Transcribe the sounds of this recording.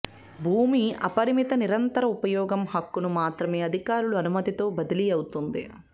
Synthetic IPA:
bʱuːmiɐ̰pɐɾimit̪ɐniɾɐnt̪ɐɾɐupɐjɔːɡɐmhɐkːunumaːt̪ɾɐme̞ːɐd̪ʱikaːɾuɭuɐnumɐt̪it̪o̞ːbɐd̪ɐlijɐwut̪und̪ḭ

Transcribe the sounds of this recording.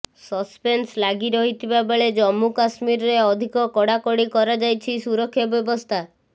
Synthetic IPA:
sɔspenslaɡiɾɔɦit̪ʰibabeɭed͡ʒɔmːukasmiɾɔɾeɔd̪ʱikɔkɔɽakɔɽikɔɾad͡ʒajt͡ʃʰisuɾɔkʰːjɔbjɔbɔst̪ʰa

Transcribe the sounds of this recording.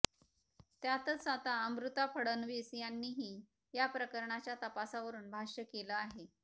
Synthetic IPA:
t̪jat̪ət͡sat̪aəmɾut̪afʰəɽənʋisjanːiːɦiː | japɾəkəɾɳat͡ɕjat̪əpasaʋəɾuːnbʱaʂjəkeləaɦe

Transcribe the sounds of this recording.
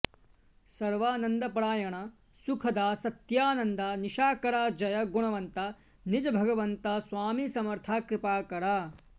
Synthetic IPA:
sɐɾʋaːnɐnd̪ɐpɾaːjɐɳɐ | sukʰɐd̪aːsɐt̪jaːnɐnd̪ɐniʃaːkɐɾaːd͡ʒɐjɐɡuɳɐʋɐnt̪ɐ | nid͡ʒɐbʱɐɡɐʋɐnt̪ɐsʋaːmisɐmɐɾt̪ʰaːkɾɪpaːkɐɾaː

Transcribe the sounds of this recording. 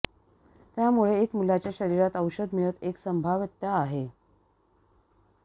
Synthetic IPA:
t̪jamuɭeːkmulat͡ɕjaɕəɾiɾat̪əwɕəd̪miɭət̪eksəmbʱaʋət̪ːjaaɦe

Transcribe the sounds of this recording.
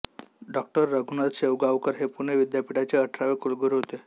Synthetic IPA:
ɖɔk̚ʈəɾːəɡʱunad̪ɕeʋɡaʋkəɾɦepuneʋid̪japiɽat͡ɕeəʈʰɾaʋekulɡəɾɦot̪e

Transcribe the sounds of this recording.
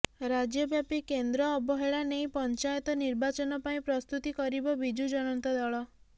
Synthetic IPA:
ɾad͡ʒjɔbjapikend̪ɾɔːbɔɦeɭanejpɔnt͡ʃajɔt̪ɔniɾbat͡ʃɔnɔpaĩpɾɔst̪ut̪ikɔɾibɔbid͡ʒud͡ʒɔɽ̃ɔnt̪ɔd̪ɔɭɔ

